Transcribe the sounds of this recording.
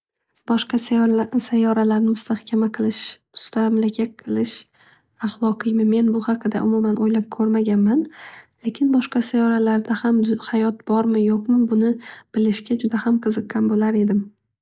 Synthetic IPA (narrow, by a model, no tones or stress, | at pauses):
b̥ɒʃqɑssajɒɾalaɾnɪmʊst̪ahkʲʰamaqʰɨlˠɪʃmʊst̪ʰamlakʲʰaqʰɨlˠɪʃ | ɑχlˠɒqɨjmɪme̞nbʊhɑqʰɨd̪a̰ʔʊmʊmanʔojlap̚kʰɵɾmaɡʲanmanlekʲʰɪnbɒʃqɑsajɒɾalaɾd̪ahamhajɒt̪̚bɒɾmɪjoqmɪbʊnɪb̥ɪlɪʃɡʲad͡ʒʊd̪ahamqʰɨzɨqːɑnbolaɾe̞d̪ɪm